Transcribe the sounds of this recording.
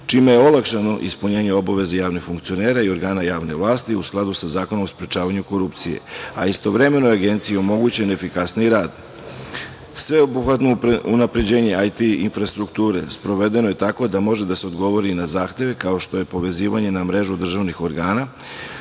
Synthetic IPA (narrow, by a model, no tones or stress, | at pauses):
t͡ʃiːmejeo̞lˠakʃano̞ʔispuɲeːɲeo̞baʋe̞zejaːʋnixfuŋkt̪sio̞ne̞ːɾaio̞ɾɡaːnajaːʋne̞ʋlˠaːst̪iusklˠad̪usazaːko̞no̞mospɾet͡ʃaːʋaɲuko̞ɾupt̪sije̞̰aist̪o̞ʋɾe̞me̞no̞aɡe̞nt̪sijiomo̞ɡut͡ɕenefikasniiɾaːd̪ | sʋe̞obuxʋat̪no̞unapɾe̞d͡ʑe̞ːɲe̞ajt̪iinfɾast̪ɾukt̪uːɾe̞spɾo̞ʋe̞d̪e̞noje̞t̪ako̞d̪amo̞ʒed̪ase̞od̪ɡo̞ʋo̞ɾinazaːxt̪e̞ʋe̞kao̞ʃt̪o̞je̞po̞ʋe̞ziːʋaɲe̞namɾe̞ʒud̪r̩ʒaʋnixo̞ɾɡaːna